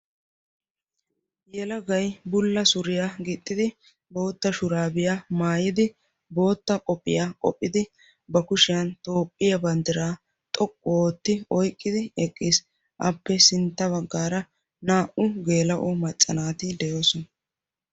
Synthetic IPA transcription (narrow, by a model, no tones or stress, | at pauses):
jɛlɐɡɐjbʊlːɐsʊɾɪjaɡɪt̪ʼːɪd̪ɪ | bo̞ːt̪ːɐʃʊɾaːbɪjamaːjɪd̪ɪ | bo̞ːt̪ːɐkʼɔpʼːɪ̰jaːkʼɔ̰pʼːɪd̪ɪ | bɐkʊʃɪjɐnt̪o̞ːpʼːɪjɐbɐnd̪ɪɾaː | t̪ʼɔkʼːʊoːt̪ːɪɔjkʼːɪd̪ɪɛkʼːiːs | ʔɐpːɛsɪnt̪ːɐβɐɡːaːɾɐ | naːʔʊɡe̞ːlɐʔɔmɐt͡ʃʼːɐnaːt̪ɪd̪ɛjoːsɔnɐ